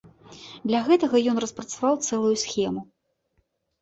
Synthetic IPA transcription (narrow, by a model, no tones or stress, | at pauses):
d̪lʲɐɣɛt̪ɐɣɐjɔnrɐspɾɐt̪savawt̪sɛlˠujusʲxʲɛmu